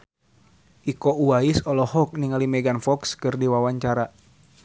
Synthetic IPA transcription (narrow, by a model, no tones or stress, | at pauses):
ʔikɔuaisɔlɔhɔk̚niŋalimɛɡanfɔkskɨrdiwawaɲt͡ʃaɾa